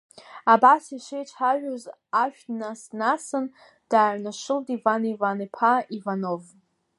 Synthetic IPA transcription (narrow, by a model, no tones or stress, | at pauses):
abasiʂʷejt͡ʃʷʰħaʒᶣoz | aʃᶣnasnasɨn | d̥aːʕnaʂɨldʼivanivanipʰaivanov